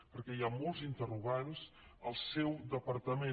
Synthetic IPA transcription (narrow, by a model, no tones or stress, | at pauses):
pəɾkɛjamɔlˠzint̪əruɣanz | əlˠsɛwd̪əpəɾt̪əme